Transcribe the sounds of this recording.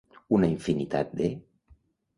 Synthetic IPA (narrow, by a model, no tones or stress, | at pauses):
unaiɱfinit̪a̰t̪̚d̪e